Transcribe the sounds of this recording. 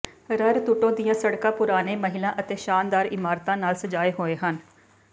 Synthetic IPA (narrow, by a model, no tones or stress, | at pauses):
ɾəɾt̪ʊʈõːd̪ijãːsəɽkãːpʊɾaːneːməɦɪlãːʔət̪eːʃaːnd̪aːɾɪmaːɾt̪ãːnaːlsəd͡ʒaːeːɦoːeːɦən